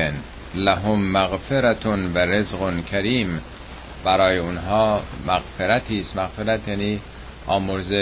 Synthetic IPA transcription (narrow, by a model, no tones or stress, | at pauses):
en | læɦomːæɣfeɾæt̪ʰnvæɾezɣonkʰæɾiːm | bæɾɒːjeonɦɒːmæɣfeɾæt̪ʰiːst̪mæɣfeɾæt̪ʰjæniː | ʔɒːmoɾze